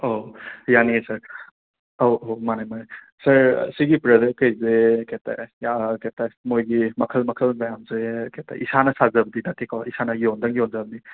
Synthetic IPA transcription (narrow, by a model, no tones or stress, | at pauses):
ojaniesɐɾ | owomanajmanaj | sɐɾsiɡipɾɐdekːɐjzeketa̰jaketamojɡimɐkʰɐlmɐkʰɐlmajamzeketʰa̰ʔisanɐsazɐbɐd̪idatʰekaisanɐjond̪ɐŋjonzɐbɐd̪i